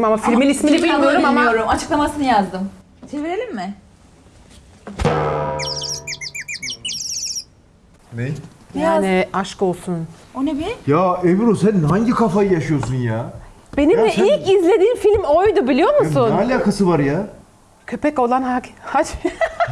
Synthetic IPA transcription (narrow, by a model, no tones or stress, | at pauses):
mamafiɾminʲismilʲiiijoɾumamajoɾumat͡ʃʰɯ̥klˠamasɯnɯjazd̪ɯm | t͡ʃʰeviɾelʲimːɪ | nejjaːnɪaʃko̞lˠsunonebijaːeviɾosænɦaɲɟikʰafajɯjaʃɯjo̞sunjaː | be̞nimd̪ɛilʲcizlʲe̞d̪iːmfilʲmo̞jd̪ʊbilʲijo̞ɾmusunalʲaːkasɯvaɾja | cʰø̞pɛco̞lˠanhahad͡ʒ